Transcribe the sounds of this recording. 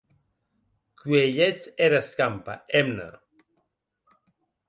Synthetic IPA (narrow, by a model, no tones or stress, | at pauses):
kueʎet͡seɾaskampa̰emna̰